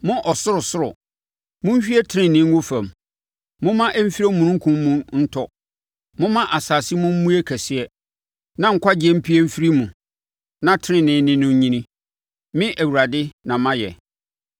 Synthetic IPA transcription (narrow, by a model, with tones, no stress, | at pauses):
mʊ̃˦ʔɔ˨sʊ˦ɾʊ˨sʊ˦ɾʊ˨ | mʊ̃˦m˦ɕᶣi˦ɛ˦tʰɪ˦nɪ̃˨nɪ̃˦ŋ˦wo˦fæ̃˨m | mʊ̃˦mã˦ʔɛ˦m̩˦fi˦ɾe˦mũ˨nʊ̃˦ŋ̩˦kʰũ˦mː˦ũ˦n̩˦tʰɔ˦ | mʊ̃˦mã˦ʔa˨saː˨si˦mʊ̃˦m̩˦mũ˦e˦kʰæ˨sɪ˨ɛ˦ | nã˦˨ŋ̩˨kʷʰa˦d͡ʑɪ˨˦ɛ˦m̩˦pʰi˦ɛ˦m̩˦fi˦ɾi˦mũ˨ | nã˦tʰɪ˦nɪ̃˦nɪ̃˨˦nɪ̃˦nʊ̃˨ɲ˦ɲĩ˦nĩ˦ | mɪ̃˦ʔæ˨wu˨ɾa˨dɪ˦nã˨mã˦jɛ̰˨